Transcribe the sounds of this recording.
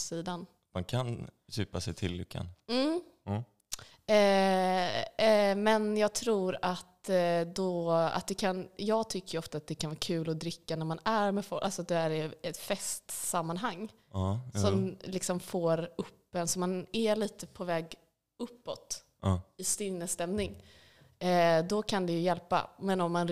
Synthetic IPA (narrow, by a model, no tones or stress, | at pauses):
siːd̪an | mankʰan | jʉːpasɛɪt̪ʰɪlːʏ̰kʰːa̰nm̩ː | mɛnjɑːɡ̚t̪ʰɾuːɾat̪d̪ɔa̰t̪̚d̪ɛkʰanjɑːɡ̚t̪ʰʏkːəɾjɔft̪aːt̪̚d̪ɛkʰanvɑːɾkʰʉ̟ːlɔd̪ɾɪkːanæɾmanæɾmɛfɔlʔalsɔat̪̚d̪ɛæɾɪɛt̪fɛst̪samːanɦaŋː | sɔmlɪksɔmfoːɾɵpːɛnsɔmanæliːt̪əpʰɔvɛːɡ | ɵpːɔt̪ | ɪst̪ɪnnːəst̪ɛmnɪŋ | d̪ɔkʰand̪ɛjɵjɛlpa̰mɛnɔmːan